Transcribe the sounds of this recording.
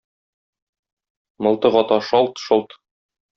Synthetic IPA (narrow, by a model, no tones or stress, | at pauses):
mɤ̆lˠt̪ɤʁɒt̪ɑʃɒlˠt̪ʃolˠt̪